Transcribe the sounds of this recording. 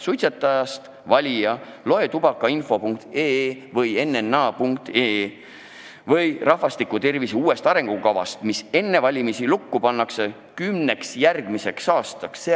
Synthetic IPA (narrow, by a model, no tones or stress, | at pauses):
sujt̪set̪ːˑɑjɑst̪ | vɑlʲijɑ | lo̞e̞t̪ubɑkːˑɑinfo̞puŋkt̪eːvɤje̞nːenːɑːpuŋk̚t̪e | vɤjrɑhvɑst̪ikːut̪e̞rvisiuːe̞st̪ɑɾe̞ŋɡ̥ukɑvɑ̰st̪mise̞nːe̞vɑlʲimisilukːupɑnːɑkse̞ | kymne̞ksjærɡ̥mise̞ksɑːst̪ɑksːe